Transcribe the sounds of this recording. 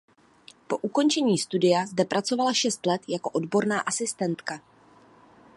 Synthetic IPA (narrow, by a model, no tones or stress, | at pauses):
po̞ʔuko̞nt͡ʃɛɲiːst̪udɪjazdɛpɾʔat͡so̞valaʃɛst̪lɛt̪jako̞ʔo̞dbo̞ɾnaːʔasɪst̪ɛnt̪ka